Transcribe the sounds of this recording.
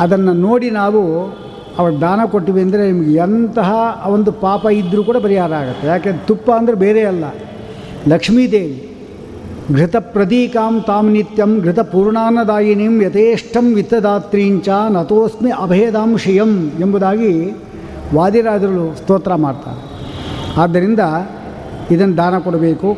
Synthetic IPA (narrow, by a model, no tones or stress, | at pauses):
ɐd̪ɐnːɐnoːɽinaːʋu | ɐʋɐɾɐd̪aːnɐkoʈːiʋiɐnd̪ɐɾenimɐɡeɐnt̪ɐɦɐʋond̪upaːpɐid̪ɾuːkuːɽɐpɐɾijaːɾɐaːɡut̪ːejaːkend̪t̪upːɐɐnd̪ɐɾebeːɾeɐlːɐ | lɐkʂmiːt̪eːli | ɡɾit̪ɐpɾɐt̪̬iːkaːmt̪aːmnit̪jɐmɡɾit̪ɐpuːɾɳaːnɐd̪aːjɐneːmjɐt̪eːʂʈʰɐmʋit̪ːɐd̪aːt̪ɾiːɲt͡ʃaːnɐt̪oːsmiʔɐbʱeːd̪aːmʂɐjɐmembud̪aːɡi | ʋaːd̪iɾaːd͡ʒɐɾɐlust̪oːt̪ɾɐmaːɖt̪a̰ːɾeaːd̪ːɐɾind̪ɐ | id̪ɐnːɐd̪ʱaːnɐkɔɽɐbeːku